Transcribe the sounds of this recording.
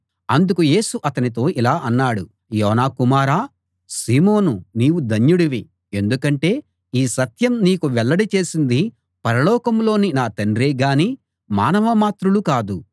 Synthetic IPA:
ɐnd̪ukuje̞ːsuʔɐt̪ɐnit̪o̞ːʔilaːʔɐnːaːɽu | jɔːnaːkumaːɾaː | siːmo̞ːnuniːwud̪ɐnjuɽiʋi | e̞nd̪ukɐɳʈe̞ː | iːsɐt̪jɐmniːkuʋɛɭːɐɽit͡ʃe̞ːsind̪i | pɐɾɐlɔːkɐmlo̞ːninaːt̪ɐɳɾeːɡaːni | maːnɐʋɐmaːt̪ɾulukaːd̪u

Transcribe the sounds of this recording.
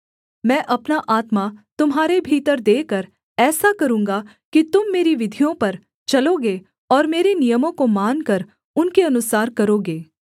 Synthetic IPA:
mɛ̃ːʔɐpnaʔaːt̪mat̪ʊmɦaːɾebʱiːt̪əɾd̪eːkɐɾ | ɛːsakɐɾũːŋɡa | kit̪ʊmːeːɾiʋɪd̪ʱijõpɐɾ | t͡ʃɐloɡeː | ɔːɾmeːɾenijəmõkomaːnkɐɾ | ʊnkeɐnʊsaːɾkɐɾoːɡeː

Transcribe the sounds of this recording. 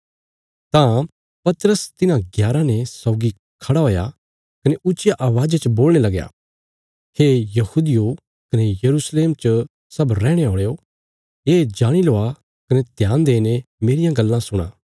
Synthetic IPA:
t̪ã | pɐt̪ɾəst̪ɪnãɡjaːɾãnɛsɔʊɡi | kʰɐɽaoːja̰ | kɐneʊt͡ʃjaʔaːʋaːd͡ʒat͡ʃəboːlɽ̃elɐɡja̰ː | hejɐhuːd̪ɪjo | kɐnejɐɾuːsleːmt͡ʃ | sɐbɾɛːɽ̃eɔ̃ːɽejo | eːd͡ʒaːɽ̃iloːa | kɐnet̪jaːnd̪eːnemeːɾɪjãɡɐlːãsʊɽ̃a̰ː

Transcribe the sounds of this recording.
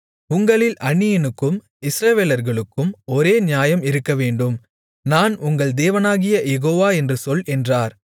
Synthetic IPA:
ʊŋɡɐɭɪlʔɐɳːɪjɐnɯkːɯm | ɪsɾɐʋeːlɐɾɣɐɭɯkːɯmɔɾeːnjaːjɐmɪɾɯkːɐʋeːɳɖɯm | naːnʊŋɡɐɭd̪eːʋɐnaːɣɪjɐjɛɣoːʋaːɛndrɯsɔlɛndraːɾ

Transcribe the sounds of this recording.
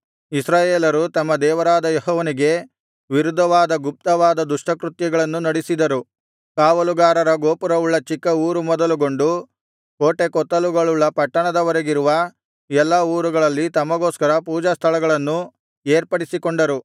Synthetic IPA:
isɾaːjeːlɐɾut̪ɐmːɐd̪ɛːʋɐɾaːd̪ɐjeɦɔːʋɐniɡe̞ | ʋiɾud̪ʱːɐʋaːd̪ɐɡup̚t̪ɐʋaːd̪ɐd̪uʂʈɐkɾut̪jɐɡɐɭɐnːunɐɽisid̪ɐɾu | kaːʋɐluɡaːɾɐɾɐɡoːpuɾɐʋuɭːɐt͡ʃikːɐuːɾumɔd̪ɐluɡo̞ɳɖu | ko̞ːʈe̞kɔt̪ːɐluɡɐɭuɭːɐpɐʈːɐɳɐd̪ɐʋɐɾeɡiɾuʋɐ | ɛlːɐuːɾuɡɐɭɐlːit̪ɐmɐɡoːskɐɾɐpuːd͡ʒɐst̪ʰɐlɐɡɐɭɐnːu | eːɾpɐɽisikoɳɖɐɾu

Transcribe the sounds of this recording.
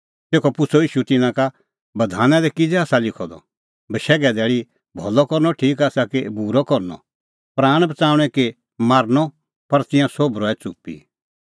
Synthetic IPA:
t̪eːkʰɔpʊsʰɔiːʃut̪ɪnãka | bɐd̪ʱaːnãd̪ɛkɪd͡zɛaːsalɪkʰɔd̪ɔ̰ | bɐʃɛːɡɛd̪ɛːɭi | bʱɔlɔkɔɾnɔʈʰiːkaːsakebuɾɔkɔɾnɔ̰ | pɾaːɽ̃bɐt͡saːʊ̃ɽ̃ɛ̃ke | maːɾnɔ | pɐɾt̪ɪ̃jãsobʱɾɔːɛt͡sʊ̰pːḭ

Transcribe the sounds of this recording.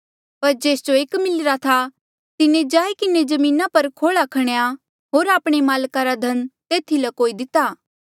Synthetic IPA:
pɐɾd͡ʒeːsd͡ʒoeːkmɪlɪɾat̪ʰa | t̪ɪnẽd͡ʒaːekɪned͡ʒɐmĩːnapɐɾkʰoːɭakʰɐɽ̃ja | ɦoːɾaːpɽ̃emaːlkaɾad̪ʱɐnt̪eːt̪ʰilɐkoːid̪ɪt̪aː

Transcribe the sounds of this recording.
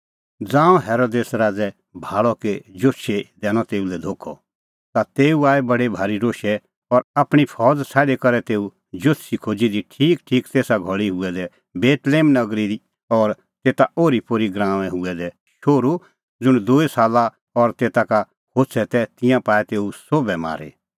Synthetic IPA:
d͡zãːɔ̃ɦɛːɾod̪eːsɾaːd͡zɛ | bʱaːɭɔked͡ʒoʃed̪ɛːñɔt̪eːulɛd̪ʱoːkʰːɔ | t̪at̪eːuaːebɐɽebʱaːɾiɾoːʃɛ | ɔɾaːpɽ̃ipʰɔːd͡zsʰɛːlekɐɾɛt̪eːu | d͡ʒotsʰikʰoːd͡ʒid̪iʈʰiːkʈʰiːkt̪eːsaɡʱɔɭiɦʊɛd̪ɛ | beːt̪leːmnɐɡɾid̪i | ɔːɾ | t̪eːt̪aoːɾipoːɾiɡɾãːʋɛ̃ɦʊɛd̪ɛ | ʃoːɾu | d͡zʊɽ̃d̪oːisaːla | ɔɾt̪eːt̪aka | kʰoːsʰɛt̪ɛt̪ɪ̃jãpaːɛt̪eːusoːbɛma̰ːɾḛ

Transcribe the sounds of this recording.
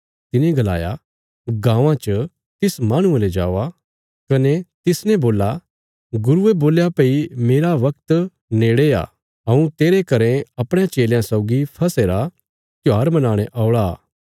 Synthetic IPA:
t̪ɪnẽɡɐla̰ːja̰ | ɡãːʋãt͡ʃə | t̪ɪsmaːɽ̃ũeled͡ʒa̰ːʋa | kɐnet̪ɪsnɛ̃boːla | ɡʊɾueboːljapeimeːɾaʋɐk̚t̪ | neːɽea̰ | ɐũt̪eːɾekɐɾẽɐpɽ̃jãt͡ʃeːljãsɔʊɡipʰɐseːɾa | t̪jaːɾmɐnaːɽ̃ẽʔaːʊɭaː

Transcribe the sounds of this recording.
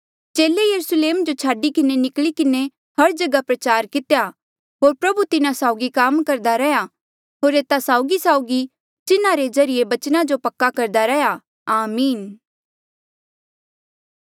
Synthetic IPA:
t͡ʃeːlejɐɾusleːmd͡ʒot͡ʃʰaːɖikɪnenɪkɭikɪne | hɐɾd͡ʒɐɡapɾɐt͡ʃaːɾkɪt̪ja | ɦoːɾpɾɐbut̪ɪnãsaːʊɡikaːmkɐɾd̪aɾɛja | ɦoːɾeːt̪asaːʊɡisaːʊɡi | t̪ɪnãɾezɐɾɪjebɐt͡ʃnad͡ʒopɐkːakɐɾd̪aɾɛja | aːmiːn

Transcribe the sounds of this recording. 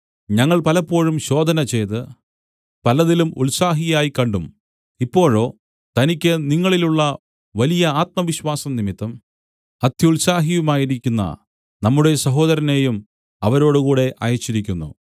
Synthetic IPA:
ɲɐŋːɐɭpɐlɐpːo̞ːɻumɕo̞ːd̪ʱɐnɐt͡ɕe̞jt̪ɨ | pɐlɐðilumuɭsaːɦijaːjikɐɳɖum | ipːo̞ːɻo̞ː | t̪ɐnikʲːɨniŋːɐɭiluɭːɐ | ʋɐlijɐaːt̪̚mɐʋiɕwaːsɐmnimit̪ːɐm | ɐd̪ʱjɐuɭsaːɦijumaːjiɾikʲːunːɐ̰ | nɐmːuɽe̞sɐɦo̞ːd̪ɐɾɐne̞jum | ɐʋɐɾo̞ːɽukuːɽe̞ʔɐ̰jɐt͡ɕːiɾikʲːunːṵ

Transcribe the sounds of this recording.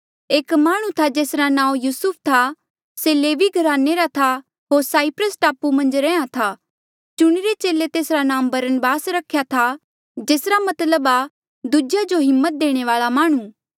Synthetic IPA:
eːkmaːɽ̃ũt̪ʰad͡ʒeːsɾanãːũjuːsʊp̚ʰt̪ʰa | seleːʋiɡʱɐɾaːneɾat̪ʰa | ɦoːɾsaːipɾəsʈaːpumɐ̃nd͡ʒɾɛ̃ːãt̪ʰa | t͡ʃʊɽ̃iɾet͡ʃeːlet̪eːsɾanãːmbɐɾənbaːsɾɐkʰːjat̪ʰa | d͡ʒeːsɾamɐt̪ləba | d̪ud͡ʒjad͡ʒoɦɪmːət̪̚d̪eːɽ̃eʋaːɭamaːɽ̃ũ

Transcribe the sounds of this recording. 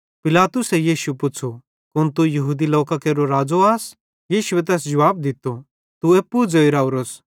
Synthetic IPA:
pɪlaːt̪ʊsejiːʃuepʊt͡ʃʰo | kʊnt̪̬ujɐɦuːd̪iloːkakeːɾoɾaːd͡zoaːs | jiːʃʊet̪̬ɛːs̬d͡ʒɐʋaːb̚d̪ɪt̪ːo | t̪ueːpːud͡zoiɾaːuɾos

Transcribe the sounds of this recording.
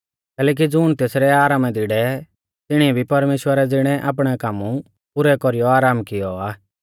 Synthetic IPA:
kɛːlɛːk̬id͡zʊːɽ̃t̪eːsɾɛaːɾaːmɛd̪ɪɽɛ | t̪ɪɽ̃iɛbʱipɐɾmeːʃwəɾɛd͡zɪɽ̃ɛʔa̰ːp̬ɽ̃ɛkaːmu | pʊɾɛkɔɾijɔaːɾaːmkɪjɔaː

